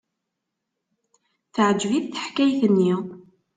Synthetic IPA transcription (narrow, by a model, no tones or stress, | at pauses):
θəʕəd͡ʒviθθə̥ħkæjθənːi